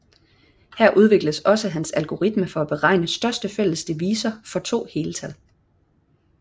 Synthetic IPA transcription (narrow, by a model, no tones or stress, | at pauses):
hæɐ̰ʔuð̞ˠʋe̝ɡ̥ləsɒ̽səɦænsælɡ̥o̝ʁid̥məfɒ̽æb̥e̝ʁɑ̈ɪ̰nəsd̥ɶɐsd̥əfel̰əsd̥e̝ʋiːsɐfɒ̽t͡sʰo̝̰ːhe̝ːlət͡sʰæl̰